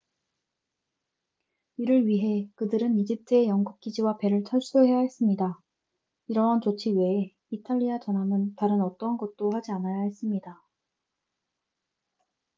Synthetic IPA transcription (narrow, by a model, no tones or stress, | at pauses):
iɾɯɭɥiɦe̞kɯdɯɾɯnid͡ʑip̚t͈ʰɯejʌŋɡup̚k͈id͡ʑiwape̞ɾɯɭt͡ɕʰʌɭs͈uɦe̞jaɦe̞s͈ɯmɲida | iɾʌɦant͡ɕot͡ɕʰiwe̞ː | itʰaʎːiat͡ɕʌnɦamɯntaɾɯnʌt͈ʌnɡʌt̚t͈ohad͡ʑianajaɦe̞s͈ɯmɲida